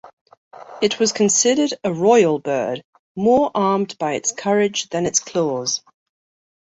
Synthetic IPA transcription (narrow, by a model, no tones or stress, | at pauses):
ɪʔwɒz̥kʰə̃nsɪdədəɹɔɪəlˠbɜːd | mɔːɹʔɑːmbaɪɪ̰tskʰʌɹɪd͡ʒðə̃nɪtskʰl̥ɔːz̥